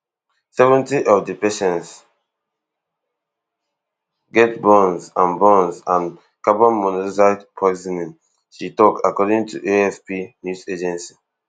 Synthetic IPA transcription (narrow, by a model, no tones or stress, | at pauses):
sɛvɛ̃ntiʔɔvdipɛʃɛ̃ns | ɡɛtbɔ̃nzãnbɔ̃nsãn | kabɔ̃nmɔnɔsadpʰɔɪzinĩn | ʃitɔkakɔdĩŋtʰuʔeɛfpinjuzed͡ʒɛ̃nsi̥